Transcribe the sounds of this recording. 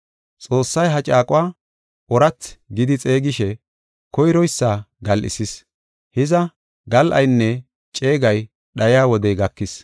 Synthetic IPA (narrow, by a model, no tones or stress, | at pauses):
t͡sʼo̞ːsːɐjɦɐt͡ʃʼaːkʼʊwaː | ʔɔɾɐt͡sːɡɪd̪ɪt͡sʼe̞ːɡɪʃɛ | kɔjɾɔjsːaːɡɐlʔɪ̰sɪs | hɪzɐ | ɡɐlʔɐ̰jnːɛ | t͡ʃʼe̞ːɡɐj | ɗɐjjaːwɔd̪ɛjɡɐkːɪs